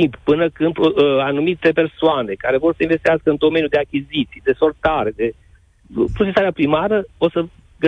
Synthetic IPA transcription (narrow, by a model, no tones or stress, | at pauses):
imppɨnəkɨnd̪anumit̪e̞pe̞rsoane̞kaɾe̞vo̞rsəinvest̪iaskəɨnd̪o̞me̞njud̪e̞akʲizit̪sijd̪e̞so̞lt̪aɾe̞d̪e̞ | pɾot͡ʃesaɾeapɾimaɾəo̞sə | ɡə